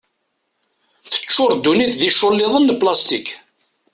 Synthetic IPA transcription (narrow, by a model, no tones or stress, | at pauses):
θə̥t͡ʃːʊɾˤd̪ːuniθðiʃːʊlːɪðˤənːplast̪ik